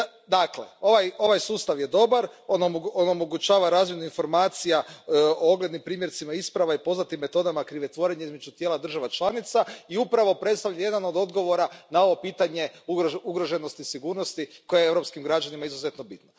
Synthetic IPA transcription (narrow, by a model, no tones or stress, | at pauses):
d̪aklḛo̞ʋajo̞ʋajsuːst̪aʋje̞d̪o̞baɾo̞noonomoɡut͡ʃaːʋaɾaːzmjenuinfo̞ɾmaːt̪sijaooɡle̞d̪nimpɾiːmjeɾt̪simaispɾaʋaipo̞znat̪imːe̞t̪o̞d̪amakɾiʋet̪ʋo̞ɾe̞ɲeizme̞d͡ʒut̪jeːlad̪r̩ʒaʋat͡ʃlˠanit̪saiupɾaʋo̞pɾe̞t̪st̪aʋlʎaje̞d̪ano̞d̪o̞d̪ɡo̞ʋo̞ɾanao̞ʋo̞piːt̪aɲe̞uɡɾo̞ʒe̞no̞st̪isiɡuːɾno̞st̪iko̞jeeevɾo̞pskimɡɾad͡ʒanimaizuze̞t̪no̞bit̪no